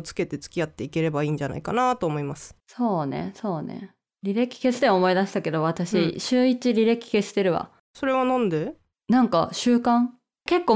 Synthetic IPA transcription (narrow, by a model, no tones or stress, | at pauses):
t͡sɨ̥ke̞t̪e̞t͡sɨ̥kʲiat̪ːe̞ike̞ɾe̞baiːɲ̟d͡ʑana̰ikanat̪o̞ːmo̞imasɨ̥so̞ːnḛso̞ːnḛ | ɾʲiɾe̞kʲi̥ke̞sɨ̥t̪eomo̞id̪aɕi̥t̪ake̞d̪o̞βat̪aɕiɕɨːit͡ɕiɾʲiɾe̞kʲːi̥ke̞sɨ̥t̪e̞ɾɯ̟βa̰ | so̞ɾe̞βanõnd̪e̞ | nãŋkaɕɨːkãŋ | ke̞kːoː